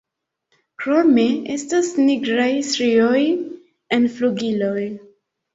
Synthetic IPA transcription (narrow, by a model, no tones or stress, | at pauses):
kɾomiestasniɡɾajsɾioj | enfluɡiloj